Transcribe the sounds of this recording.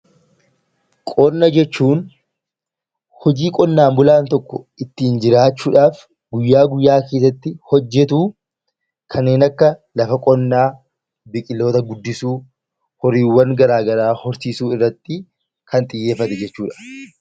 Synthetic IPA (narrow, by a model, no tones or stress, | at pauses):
kʼɔnːɐd͡ʒɛt͡ʃːuːn | hɔd͡ʒiːkʼɔnːaːmbʊlaːnt̪ɔkːɔ | ɪt̪ːiːnd͡ʒɪɾaːt͡ʃːuːᶑaːf | ɡʊjːaːɡʊjːaːke̞ːs̬ɐt̪ːɪhɔd͡ʒːɛt̪uː | kʰɐnːe̞ːnɐkːɐlɐfɐkʼɔnːaː | bɪkʼɪlːo̞ːt̪ɐɡʊd̪ːɪsuː | hɔɾiːwːɐŋɡɐɾaːɡɐɾaːhɔɾsiːsuːɪrːɐt̪ːɪ | kɐnt̪ʼɪjːe̞ːfːɐt̪ɛd͡ʒɛt͡ʃːuːᶑḁ